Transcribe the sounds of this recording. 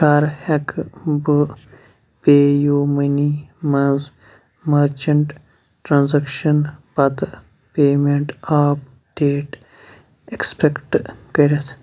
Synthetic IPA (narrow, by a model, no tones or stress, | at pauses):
ʃaːɾhɐkbɨ | peːjuːmɐnimɐnz | mɐɾt͡ʃɐɳʈ | ʈɾaːnzɐkʃɐnpɐt̪ | peːmeɳʈaːp | ɖeːʈ | ekspekʈkɐɾet̪ʰ